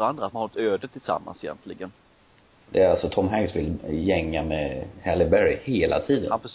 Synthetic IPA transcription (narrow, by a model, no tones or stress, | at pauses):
and̪ɾat̪manht̪øːd̪ət̪ʰɪlsa̰mːa̰nsɪjɛ̰nt̪ʰlɪɡən | d̪ɛæɾalsɔt̪ʰɔmɦɛŋsvɪljɛŋːamɛhɛlɪbæɾɪheːlʔa̰t̪ʰiːd̪ə̰na